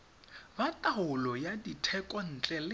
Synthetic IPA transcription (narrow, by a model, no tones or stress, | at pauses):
batʼaʊlɔjaditʰɛkʼɔn̩ːt͡ɬʼɛlɪ